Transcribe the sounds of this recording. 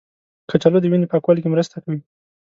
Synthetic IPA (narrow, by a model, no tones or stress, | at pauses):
kʰat͡ʃalod̪əwinepəakwalikemɾəst̪akawi